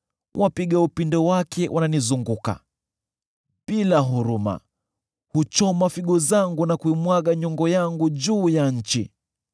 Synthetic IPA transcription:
wʔapiɠaupindɔwakʰɛʔananizuŋɡuka̰ | pilaɦuɾuma̰ | hut͡ʃɔmafiɠɔzaŋɡunakuimwaɠaɲɔŋɡɔjaŋɡuʄuːjaɲ̩t͡ʃi

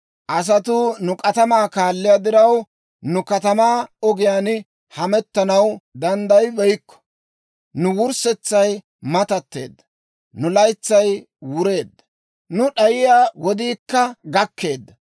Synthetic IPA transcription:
ʔɐs̬ɐt̪ʊnʊkʼɐt̪ɐmaːkaːlːɪjad̪ɪɾɐw | nʊkɐt̪ɐmaːɔɡɪjaːn | hɐmɛt̪ːɐnɐwd̪ɐnd̪ɐjbɛjkːɔ̥ | nʊwʊɾsɛt͡sːɐj | mɐt̪ɐt̪ːe̞̰ːd̪ːɐ̥ | nʊlɐjt͡sːɐj | wʊɾe̞ːd̪ːɐ | nʊɗɐjɪjaːwɔd̪iːkːɐɡɐkʰːe̞ːd̪ːɐ

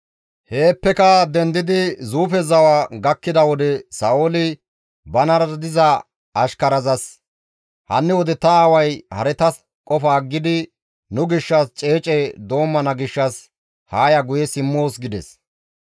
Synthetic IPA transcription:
he̞ːpːɛkɐd̪ɛnd̪ɪd̪ɪzuːfɛzɐwaɡɐkːɪd̪ɐwɔd̪ɛsɐolɪ | bɐnɐɾd̪ɪzɐ | ɐʃkɐɾɐzɐs | hɐ̰nːɛwɔd̪ɛt̪ːɐːwɐjhɐ̰ɾɛt̪ɐs | kʼɔfaːɡːɪd̪ɪ | nʊɡɪʃːɐst͡ʃʼe̞ːt͡ʃʼɛd̪o̞ːmːɐnɐɡɪʃːɐs | haːjɐɡʊjɛsɪmːo̞ːsɡɪd̪ɛs

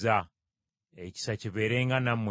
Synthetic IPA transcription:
a | eci̥saciβe̞ːɾe̞ːŋɡanamw

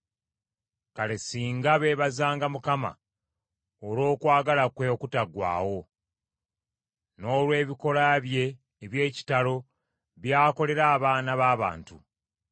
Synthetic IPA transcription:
kale̞siːŋɡaβe̞βazaːŋɡamukama̰ | oɾo̞ːkwaːɡalakwe̞kutaɡwa̰ːwo̞ | no̞ːlwe̞ːβiko̞laβje̞ː | βje̞ːci̥talo̞ | βjaːko̞le̞ɾaːβaːnaβaːβa̰ːntu

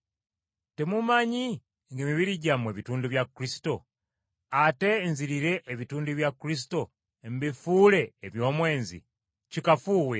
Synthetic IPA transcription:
te̞mumaɲi | ŋɡeːmiβiɾiɟamwe̞ːβituːnduβjakuɾisi̥to̞ | ate̞nziɾiɾe̞ʔːβituːnduβjakuɾis̬i̥to̞ | mbifuːle̞ːβjo̞ːmwe̞ːnzḭ | cikafuːwe

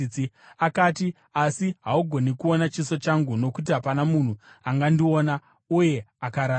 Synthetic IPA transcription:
i | akaːti | asiɦauɡʱo̞nikuo̞nat͡ʃiso̞t͡ʃaŋɡuno̞kut̬iɦapanamun̤uaŋɡandio̞na | uje̞akaɾaː

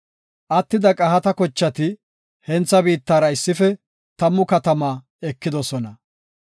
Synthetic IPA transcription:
ʔɐt̪ːɪd̪ɐkʼɐhɐt̪ɐkɔt͡ʃːɐt̪ɪ | hɛnt͡sːɐbiːt̪ːaːɾɐɪsːɪfɛ | t̪ɐmːʊkɐt̪ɐmaː | ɛkːɪd̪ɔsɔnɐ

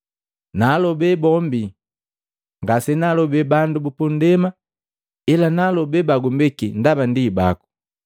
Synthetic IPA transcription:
nalɔbɛbɔmbi | ŋɡasɛnalɔbɛbandubupɔndɛma | ɛlanalɔbɛbaɡumbɛkindabandiba̰ku̥

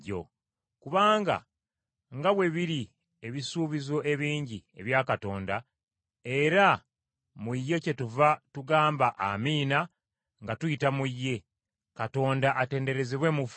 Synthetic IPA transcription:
o̰ | kuβaːŋɡa̰ | ŋɡaβwe̞βiɾi | e̞βisuːβizo̞ʔe̞βiːɲɟie̞βjaːkato̞ːnda | e̞ɾa | mujːe̞ce̞tuvatuɡaːmbaʔa̰miːna | ŋɡatuitamujːe̞ | kato̞ːndaʔate̞ːnde̞ɾe̞zeβwe̞muf

